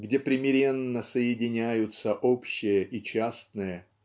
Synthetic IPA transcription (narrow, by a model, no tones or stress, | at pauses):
ɡdʲe̞pɾʲɪmʲɪɾʲe̞nːəsəjɪdʲɪnʲæjʊt̪səʔopɕːɪjəʔit͡ɕast̪nɨjə